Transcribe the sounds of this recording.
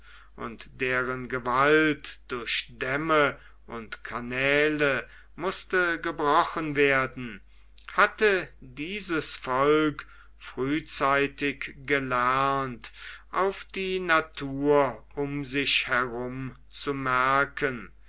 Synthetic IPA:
ʔʊ̰ntd̥eːʁənɡəvaltd̥ʊɐçd̥ɛmə | ʔʊntkʰanɛːlə | mʊstəɡəbʁɔχənveːɐdn̩ | hatədiːzəsfɔlk | fʁ̥yːt͡saɪtɪkɡ̥əlɛɐntʔaʊfd̥iːnatʰuːɐʔʊmzɪçhɛʁʊm | t͡sumɛɐkʰən

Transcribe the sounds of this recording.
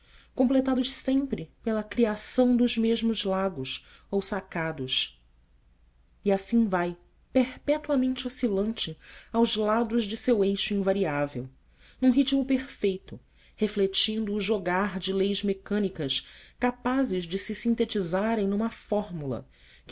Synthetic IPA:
kõplet̪ad̪ʊʃsẽmpɾɪpelɐkɾiasɐ̃w̃d̪ʊzmeʒmʊzlaɡʊs | owsakad̪ʊʃ | iasĩvaj | peɾpɛt̪uɐmẽnt͡ʃɪosilɐ̃nt͡ʃɪawzlad̪ʊzd͡ʒɪsewejʃʊĩvaɾiavḛw | nũɦit͡ʃmʊpeɾfejt̪ʊ | heflet͡ʃĩnd̪ʊːʒoɡaɾd͡ʒɪlejzmekɐ̃nikɐskapazɪʒd͡ʒɪsɪsĩnt̪et͡ʃizaɾẽj̃nũmɐfɔɾmulɐ̰ | k

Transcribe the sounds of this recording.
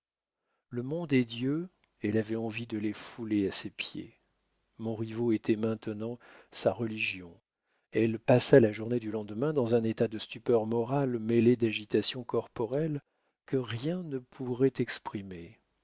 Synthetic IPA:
ləmɔ̃d̪ɛd̪jø | ɛlavɛɑ̃vid̪əlefuleasepjḛ | mɔ̃ʁivoet̪ʰɛmɛ̃t̪ənɑ̃saʁəliʒjɔ̃ | ɛlpasalaʒuʁned̪ylɑ̃d̪mɛ̃d̪ɑ̃zɛ̃net̪ad̪əst̪ypœʁmɔʁalmeled̪aʒit̪asjɔ̃kɔʁpɔʁɛl | kəʁjɛ̃nəpʰuʁɛt̪ɛkspχime

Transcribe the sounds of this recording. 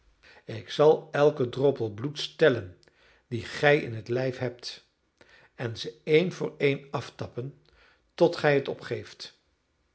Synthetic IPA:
ɪksɑlˠɛlˠkədrɔpəlˠblutstɛlən | diχɛjɪ̰nɦətlɛjfɦɛp̚t | ɛnzəejnvʊːɹejnɑftɑpən | tɔtχɛjətɔ̰pχejft

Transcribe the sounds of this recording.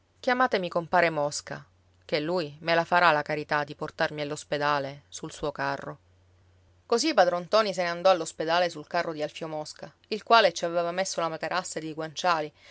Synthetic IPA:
k̟jamaːt̪emikompaːɾemɔska̰ | k̟elːujmelafaɾalakaɾit̪ad̪ːiport̪armialːosped̪aːlesulsuːokarːo | kozipad̪ɾɔnt̪ɔːnis̬eneand̪ɔalːosped̪aːlesulkarːod̪ialfjomɔska | ilkwaːlet͡ʃiavevamesːolamat̪eɾʔasːad̪eɡwant͡ʃaːli

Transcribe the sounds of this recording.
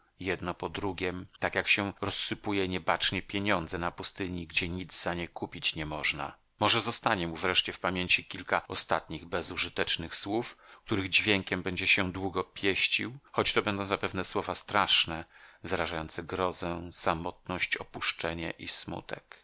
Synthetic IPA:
jɛd̪nɔpɔd̪ɾuɡʲjɛmt̪akjakɕɛɾɔsːɘpujɛɲɛbat͡ʂɲɛpʲjeɲɔnd̪zɛnapust̪ɘɲiɡd͡ʑɛɲid̪zzaɲejkupʲit͡ɕɲɛmɔʐna̰ | mɔʐɛzɔst̪aɲɛmuvɾɛʂt͡ɕɛfpamʲjeɲt͡ɕikʲilkaɔst̪at̪̚ɲiɣbɛzuʐɨt̪ɛt͡ʂnɘxswufk̚t̪uɾɘɣd͡ʑvʲjɛŋkʲɛmbɛɲd͡ʑɛɕɛd̪wuɡɔpʲjɛɕt͡ɕḭwxɔt͡ɕt̪ɔbɛnd̪ɔ̃w̃zapɛvnɛswɔvast̪ɾaʂnɛvɨɾaʐajɔnt̪sɛɡɾɔzɛsamɔt̪̚nɔɕt͡ɕɔpuʂt͡ʂɛɲɛ̰ʔismṵt̪ɛ̰k

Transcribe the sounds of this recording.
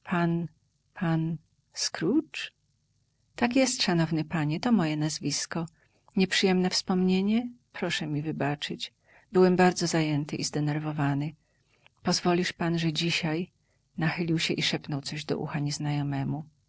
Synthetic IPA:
pʰan | pʰan | skɾut͡ʂ | t̪akjɛst̪ʂanɔvnɘpaɲɛt̪ɔmɔjɛnazvʲiskɔ | ɲɛpʂɘjɛmnɛfspɔmɲeɲɛpɾɔʂɛmʲivɘbat͡ʂɘt͡ɕ | bɘwɛmbaɾd̪zɔzajɛnt̪ɘʔizd̪ɛnɛɾvɔvanɘ | pɔzvɔlʲiʂpanʐɛd͡ʑiɕaj | naxɘlʲiwɕɛʔiʂɛpnɔwt̪sɔʑd̪ɔ̰ʔṵxaɲɛznajɔmɛmu

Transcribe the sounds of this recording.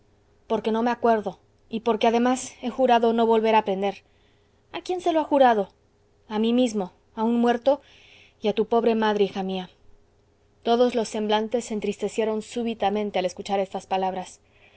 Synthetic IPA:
po̞ɾke̞no̞me̞akwe̞ɾðo̞ | ipo̞ɾke̞aðe̞mase̞xuɾaðo̞no̞βo̞lβe̞ɾapɾe̞nd̪e̞ɾ | akje̞nse̞loaxuɾaðo̞ | amimizmo̞ | aunmwe̞ɾt̪o̞ | iat̪upo̞βɾe̞maðɾeixamia | t̪o̞ðo̞zlo̞sːe̞mblant̪e̞sːent̪ɾist̪e̞sje̞ɾo̞nsuβit̪amẽ̞nt̪e̞ale̞skut͡ʃaɾe̞st̪aspalaβɾas

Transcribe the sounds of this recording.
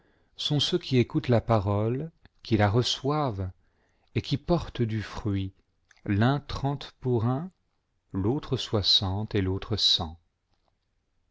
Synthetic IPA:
sɔ̃søkʰʲiekut̪lapaʁɔlkʰʲilaʁəswav | ekʲipɔʁt̪d̪yfχɥi | lɛ̃t̪χɑ̃t̪puʁɛ̃ | lot̪χəswasɑ̃t̪elot̪χəsɑ̃

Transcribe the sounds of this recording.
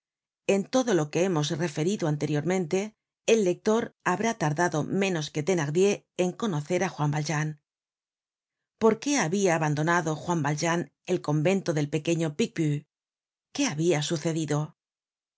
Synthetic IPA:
e̞nt̪o̞ðo̞lo̞ke̞emo̞sre̞fe̞ɾiðoant̪e̞ɾjo̞ɾmẽ̞nt̪e̞ː | lːe̞k̚t̪o̞ɾaβɾat̪aɾðaðo̞mẽ̞no̞ske̞t̪e̞naɣd̪je̞ː | ŋko̞no̞θe̞ɾaxwambalʒan | po̞ɾke̞aβiaːβand̪o̞naðo̞xwambalʒan | e̞lko̞mbe̞nt̪o̞ðe̞lpe̞ke̞ɲo̞pik̚by | ke̞aβiasuθe̞ðiðo̞

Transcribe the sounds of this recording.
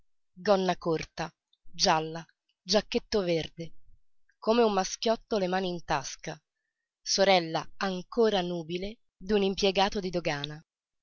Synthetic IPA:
d̪ɔnːakort̪a | d͡ʒalːa | d͡ʒakːet̪ːoverd̪e | komeumːask̟jɔt̪ːolemaːniːnt̪aska | soɾɛlːaaŋkoːɾanuːbile | d̪unimpjeɡaːt̪od̪id̪oɡaːna

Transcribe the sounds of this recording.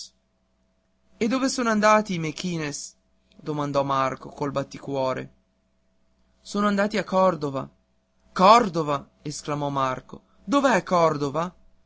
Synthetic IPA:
ed̪ːoːvesoːnoand̪aːt̪iːmekːiːnes | d̪omand̪ɔmarkokolbat̪ːikwɔːɾḛ | soːnoand̪aːt̪iakːɔrd̪ova̰ | kɔrd̪ova | esklamɔmarko | d̪oveɛkːɔrd̪ova

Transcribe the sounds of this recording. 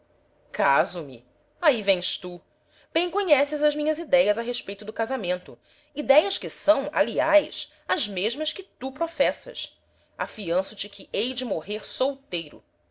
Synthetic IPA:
kʰazʊmɪ̰ | aivẽj̃st̪u | b̥ẽj̃koɲɛsɪzɐzmĩɲɐzid̪ɛjɐzɐɦeʃpejt̪ʊd̪ʊkazamẽnt̪ʊ | id̪ɛjɐskɪsɐ̃w̃a̰liajʃ | ɐzmeʒmɐskɪt̪upɾofɛsɐ̰s | afiɐ̃sʊt͡ʃɪkʰɪʔejd͡ʒɪmoɦeɾsowt̪ejɾʊ̰

